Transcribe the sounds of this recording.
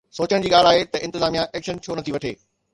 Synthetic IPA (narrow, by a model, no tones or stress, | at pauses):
soːt͡ɕəɽ̃d͡ʑiːɠaːl̤aːɦet̪ɐʔɪ̃nt̪ɪzaːmijãʔɛːkʃənt͡ɕʰoːnɐt̪ʰiʋɐʈʰeː